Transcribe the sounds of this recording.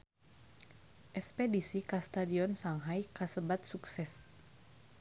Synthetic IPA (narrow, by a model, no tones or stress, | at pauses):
ʔɛspɛdisikast̪adiɔnsaŋɦajkasəbat̪̚suksɛs